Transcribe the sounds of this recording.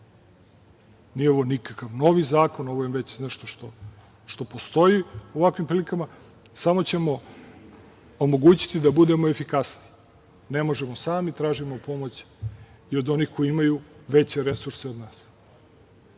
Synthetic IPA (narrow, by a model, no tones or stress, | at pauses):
nijeo̞ʋo̞nikakaʋno̞ʋizaːko̞no̞ʋojʋet͡ɕneʃt̪oʃt̪o̞ | ʃt̪o̞po̞st̪o̞jioʋakʋimpɾilikama | samo̞t͡ɕe̞mo̞ | omo̞ɡuːt͡ɕi̥t̪id̪abud̪e̞mo̞efikasni | ne̞mo̞ʒemosaːmit̪ɾaːʒimopo̞mo̞t͡ɕ | io̞d̪o̞nixko̞jiimajuʋe̞t͡ɕe̞ɾe̞suɾseod̪naːs